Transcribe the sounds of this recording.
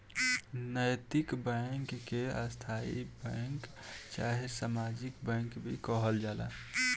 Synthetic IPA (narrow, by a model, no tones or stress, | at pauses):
nəjt̪ɪkbɛŋkːeast̪ʰaḭbɛ̃ŋkt͡ʃa̰ɦesamad͡ʒikbɛ̃ŋkbʱḭkɔɦəld͡ʒaːla̰